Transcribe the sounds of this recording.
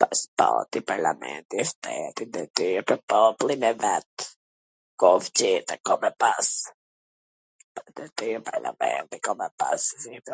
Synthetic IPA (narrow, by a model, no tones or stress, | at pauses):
paspɔt̪ipaɾla̰mɛ̰nt̪iʃt̪ɛt̪ind̪ɛt̪ypəpɔplˠinɛvɛt̪ | kɔvt͡ʃit̪akɔmɛpas | pad̪ɛt̪ypaɾla̰mɛ̰nt̪ikɔmɛpa̰ssit̪